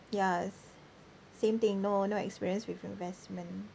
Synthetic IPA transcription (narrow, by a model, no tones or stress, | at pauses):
jas | sẽmt̪ĩŋnonoɛ̰kspiɹiə̃nswivĩnvɛsmə̃n